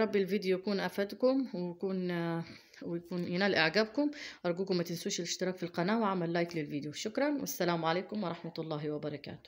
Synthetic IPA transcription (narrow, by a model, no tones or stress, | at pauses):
ɾˤɑbːɪlviːd̪jujakuːnʔafad̪kʊmwɪjkuːn | wɪjakuːnjɪnaːlʔaʕɡaːbkʊmʔɑɾˤɡuːkʊmːæt̪ɪnsuːʃɪlɪʃt̪ɪɾɑːkfilqɑnaːwɪʕamːalːaːjklɪlviːd̪juʃʊkɾˤɑnwʔɪ̰sːalaːmʕaleːkʊmwɾˤɑħmat̪lˤːɑːɦwɪbɑɾˤɑka̰ːt̪ʊ̥